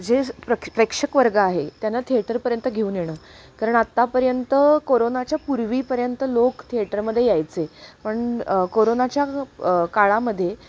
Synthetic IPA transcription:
d͡zepəpɾəkʂəkʋəɾɡəaɦet̪janːat̪ʰieʈəɾpəɾjənt̪əɡʱeuːnjeɽ̃əː | kaɾəɳat̪ːapəɾjənt̪əkoɾonat͡ɕjapuɾʋiːpəɾjənt̪əlokt̪ʰieʈəɾməd̪ʱːjejajt͡sepəɳkoɾonat͡ɕjakaɭaməd̪ʱːje

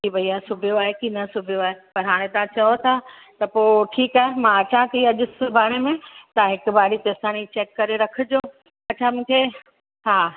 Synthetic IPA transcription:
kibɐiaːesʊbʱijoaːɦekiːnɐsʊbʱijoaːɦepɐɾɦaːɽ̃ẽt̪ãt͡ɕɐot̪ʰa | t̪ɐpoːʈʰiːkaːɦemãɐt͡ɕãt̪ʰiɐʄʊ̆sʊbʱaːɽ̃emẽt̪aɦɪkʊ̆baːɽit̪est̪aːnit͡ɕeːʈ̚kɐɾeɾɐkʰʊ̆d͡ʑoː | ɐt͡ɕʰamũːkʰe | ɦaː

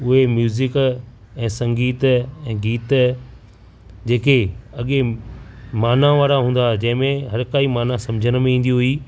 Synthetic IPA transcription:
ʊɦemjuːzɪk | ɛ̃ːsɐ̃ŋɡiːt̪ɛ̃ːɡiːt̪ | d͡ʑeːkeɐɠe | maːnãʋaːɾaɦũːn̆d̪ad͡ʑɐ̃ɦɪ̃mẽɦɐɾkaːimaːnãsɐ̃md͡ʑʱəñ̆mẽĩːn̆d̪iɦʊi

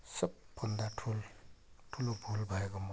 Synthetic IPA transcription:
sʌb̚pʌnd̪aʈʰulʈʰulobʱulbʱʌeɡɔmɔ

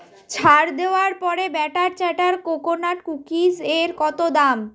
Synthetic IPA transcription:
t͡ɕʰaɾd̪eoaɾpɔɾebɛʈaɾt͡ɕaʈaɾkokonaʈ̚kukid͡ʑeɾkɔt̪od̪am

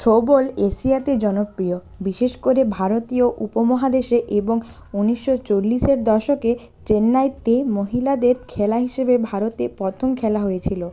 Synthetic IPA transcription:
tʰobolesiat̪ed͡ʑɔnopɾio | biʃeʃkoɾebʱaɾot̪ioʔupomɔɦad̪eʃeʔeboŋ | uniʃːot͡ɕolːiʃeɾd̪ɔʃoke | t͡ɕenːajt̪emoɦilad̪eɾkʰɛlaɦiʃebebʱaɾot̪epɾɔt̪ʰomkʰɛlaɦojet͡ɕʰilo

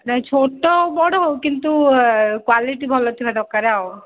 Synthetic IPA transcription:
t͡ʃʰoʈobɔɽoɦowkint̪ukwaliʈibʱɔlot̪ʰibʱad̪ɔkaɾeao

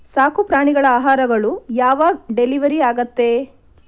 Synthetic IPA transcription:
saːkupɾaːɳiɡɐɭɐaːɦaːɾɐɡɐɭujaːʋaɖeliʋɐɾiaːɡɐt̪ːe̞

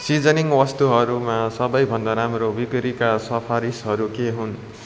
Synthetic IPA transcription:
sid͡zʌniŋwʌst̪uɦʌɾumasʌbʌjbʱʌnd̪aɾamrobikɾikasʌpʰaɾisɦʌɾukeɦun

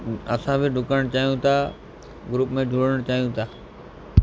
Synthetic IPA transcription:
ɐsãbʱɪɖʱʊkəəɽ̃t͡ɕaːɦijũt̪ʰa | ɡɾuːpmẽd͡ʒʱuːɽəɽ̃t͡ɕaːɦijũt̪ʰaː

